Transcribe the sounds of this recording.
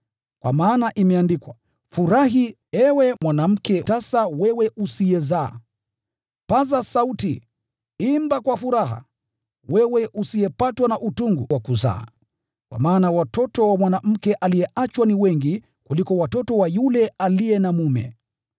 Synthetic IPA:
kwʔa̰maːnaʔimɛandikwa | fuɾaɦi | ɛwɛmwanam̩kɛtasawɛwɛʔusijɛzaː | pazasauti | imbakwafuɾaɦa̰ | wɛwɛʔusijɛpatwanaʔutuŋɡuwakuza̰ː | kwa̰maːnawatɔtɔwamwanam̩kɛʔalijɛʔat͡ʃwaniwɛŋɡi | kulikɔwatɔtɔwajulɛalijɛnamumɛ̰

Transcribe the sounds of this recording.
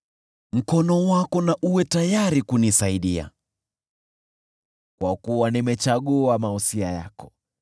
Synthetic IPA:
m̩kɔnɔwakɔnaʔuwɛtajaɾikunisaiɗia̰ | kwakuwanimɛt͡ʃaɠuamausiaja̰kɔ̥

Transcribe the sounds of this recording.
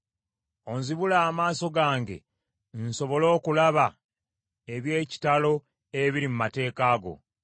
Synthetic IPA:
o̞nziβulaːmaːso̞ɡaːŋɡe̞̰ | nso̞βo̞lo̞ːkulaβa | eβje̞ːci̥talo̞ | eβiɾimumate̞ːkaːɡo̞̰

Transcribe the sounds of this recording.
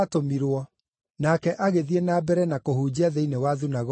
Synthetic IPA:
tomiɾwɔ | nakɛʔaɣeðienabɛɾɛnakohuːd͡ʑiaðeinewaðunaɣ

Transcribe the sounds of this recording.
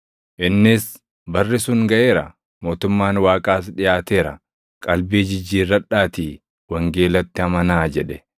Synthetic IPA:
ʔɪnːɪs | bɐrːɪsʊŋɡɐʔe̞ːɾɐ | mo̞ːt̪ʊmːaːnwaːkʼaːsᶑɪjaːt̪eːɾɐ̰ | kʼɐlbiːd͡ʒɪd͡ʒːiːrːɐᶑːaːt̪iː | wɐŋɡe̞ːlɐt̪ːɪhɐmɐnaːd͡ʒɛᶑɛ

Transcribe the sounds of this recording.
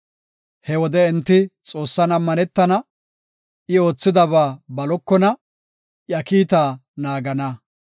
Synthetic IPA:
hɛwɔd̪ɛɪnt̪ːɪt͡sʼo̞ːsːɐnɐmːɐnɛt̪ːɐnɐ | ɪo̞ːt͡sːɪd̪ɐβaːbɐlɔkːɔnɐ | jɐkiːt̪aːnaːɡɐnɐ

